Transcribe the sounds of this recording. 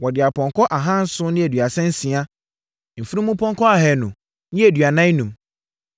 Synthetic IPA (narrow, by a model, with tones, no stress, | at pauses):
wɔ˨dɪ˨a˨pʰɔ̃˨ŋkʰɔ˦ʔa˨ɦã˦n̩˦sʊ˦nɪ̃˦æ˨dɥa˨sɛ̃˦n̩˦sĩ˨a˦ | m̩˨fi˦ĩ˦mũ˦pʰɔ̃˦ŋkʰɔ˦a˨ɦɛ˨nʊ̃˨ | nɪ̃˦e˨dɥa˨nã˦nũ˨m